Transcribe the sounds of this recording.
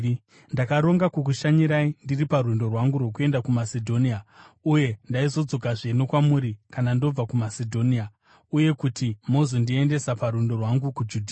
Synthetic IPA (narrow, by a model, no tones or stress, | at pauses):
ndakaɾo̞ŋɡakuk̬uʃaɲiɾaindiriparwundo̞rwaŋɡurwo̞k̬ue̞ndakumasedʱo̞niauje̞ndaizo̞d͡zo̞kaʐenokwamuɾikanando̞b͡vakumasedʱo̞nia | uje̞kutimo̞zondie̞nde̞sapaɾundo̞rwaŋɡukud͡ʒudʱiː